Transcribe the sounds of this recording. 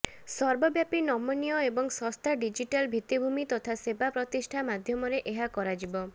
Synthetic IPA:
sɔɾbɔbjapinɔmɔnijɔebɔŋsɔst̪ʰaɖid͡ʒiʈalbʱit̪ːibʱumit̪ɔt̪ʰasebapɾɔt̪isʈʰamad̪ʱjɔmɔɾeʔeɦakɔɾad͡ʒibɔ

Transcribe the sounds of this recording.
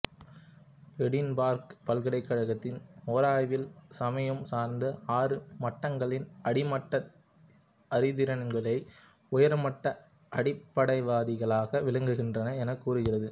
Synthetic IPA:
ʋɛɽɪnbaːɾkpɐlɣɪɽɐɪkːɐɻɐɣɐt̪ːɪnoːɾaːjʋɪlsɐmɐjɐmsaːɾnd̪ɐaːrɯmɐʈːɐŋɡɐɭɪnɐɽɪmɐʈːɐ | ʔɐɾɪðɪɾɐnŋɡɐɭɐɪ | ʊjɐɾmɐʈːɐ | ʔɐɽɪpːɐɽɐɪʋaːðɪɣɐɭaːɣɐʋɪlɐŋɡɯɣɪndrɐnɐɛnɐkːuːɾɯɣɪrɐðɯ

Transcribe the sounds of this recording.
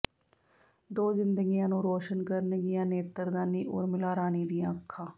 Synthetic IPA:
d̪oːzɪnd̪əɡijãːnũːɾoːʃənkəɾnɡɪjãːneːt̪əɾd̪aːniːʔoːɾmɪlaːɾaːniːd̪ijãːəkʰːãː

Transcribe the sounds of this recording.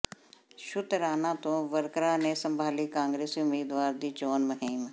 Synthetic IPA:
ʃʊt̪ɾaːnat̪õʋəɾkɾanesɐ̃mbʱaːlikãːŋɡɾeːsiʊmiːd̪ʋaːɾd̪iːt͡ʃoːnmɐɦiːm

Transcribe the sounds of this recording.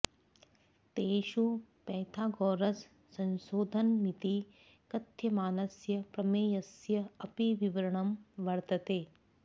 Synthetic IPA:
t̪eːʃupɛːt̪ʰaːɡɔːɾɐs | sɐ̃nʃoːd̪ʱɐnmit̪i | kɐt̪ʰjɐmaːnɐsjɐpɾɐmeːjɐsjɐɐpiʋiʋɐɾɐɳɐmʋɐɾt̪ɐt̪eː

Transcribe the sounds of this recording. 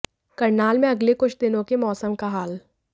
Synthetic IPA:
kɐɾnaːlmẽɐɡlekʊt͡ʃʰd̪ɪnõkemɔːsəmkaɦaːl

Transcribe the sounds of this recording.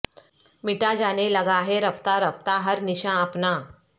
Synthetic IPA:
miʈad͡ʒaneləɡaɦeɾəft̪aɾəft̪aɦəɾniɕãəpna

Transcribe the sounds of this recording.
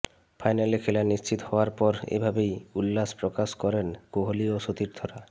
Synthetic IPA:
fʰajnalekʰelaniʃt͡ɕit̪ohɔoaɾpɔɾḛbʱabejulːaspɾokaʃkɔɾenkoɦolioʃot̪iɾd̪ʱɔɾa

